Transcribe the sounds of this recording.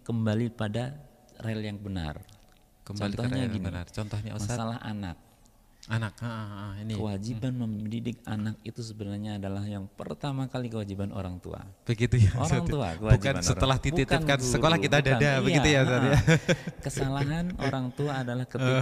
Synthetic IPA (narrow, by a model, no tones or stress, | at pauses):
kəmbalipada | reljaŋbəna̰r | kəmt͡ʃbɔalit̪ɔɲaɡinnart͡ʃɔnt̪ɔhɲaumasalaɦʔa̰na̰k̚ | anak̚ainikəwad͡ʒibanməmdidɪk̚anak̚it̪usəbənarɲaːdalahjaŋpə̰rt̪amakalikəwad͡ʒibano̰ɾaŋt̪ṵa̰b̥əɡit̪ujao̰aŋt̪ua̰kəwabud͡ʒkansət̪əlaht̪itb̪itːin̚kansəkolahkit̪adadabəɡiaujaaɾakəsalaɦanoɾaŋt̪uaːdalahkəi